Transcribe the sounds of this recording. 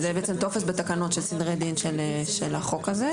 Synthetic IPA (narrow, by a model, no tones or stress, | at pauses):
zɛbeʔet͡semt̪o̞fesbet̪akano̞t̪ʃelsid̪ʁejd̪inʃeleʃelaχo̞kaze